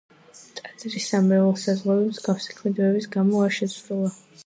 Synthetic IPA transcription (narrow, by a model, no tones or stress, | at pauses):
t̪ʼat̪sʼɾisamɛvɛlˠsazʁabɛbzɡafsḁkʰlid̪vɛbisɡamɔaɾʃɛsɾulˠa